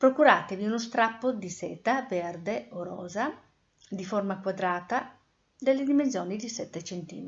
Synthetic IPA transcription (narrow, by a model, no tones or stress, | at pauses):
pɾokuɾaːt̪eviunost̪ɾapːod̪isɛːt̪avɛrd̪eoɾɔ̰ːza | d̪iformakwad̪ɾaːt̪a | d̪elːed̪imens̬jɔːnid̪isɛt̪ːet͡ʃɛnt̪ḭːm